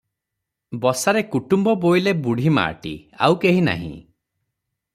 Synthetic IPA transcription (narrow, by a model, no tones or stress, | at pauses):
bɔsaɾekuʈumbɔbojlebuɽ̤ʱima̰ːʈḭa̰wkeɦina̰ɦḭ̃